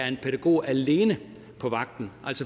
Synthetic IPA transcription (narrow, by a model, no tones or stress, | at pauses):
æɐe̝npʰeɾæɡ̥o̝̰ːæle̝ːnə | pʰɒ̽ʋɑ̈ɡ̥̚d̥n̩ʔæl̰sɒ